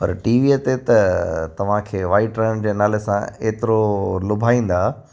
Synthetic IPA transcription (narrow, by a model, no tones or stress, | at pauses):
pɐ̰ɾʈiːʋiet̪et̪ɐt̪ɐʋ̤ãkʰeːʋaːɪʈɾɛ̃ɳd͡ʑeːnaːlesãeːt̪ɪɾolʊbʱaːĩːn̆d̪aː